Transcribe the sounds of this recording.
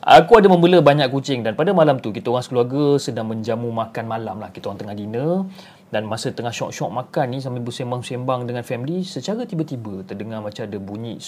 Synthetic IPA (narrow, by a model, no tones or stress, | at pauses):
ʔa̰kuadaməmbələbaɲakkːut͡ʃɪŋdanpadamalamt̪ukit̪aoɾaŋsəkəluarɡəsədaŋmə̃ɲd͡ʒamumakanmalamlahkit̪aoɾaŋt̪əŋahdinə̃ | danmasət̪əŋahʃɔʔ̚ʃɔk̚makanːĩs̬ampibəsembaŋsembaŋdəŋanfɛmlisət͡ʃaɾət̪ibət̪ibət̪ərdəŋamat͡ʃamadəbuɲĩʔ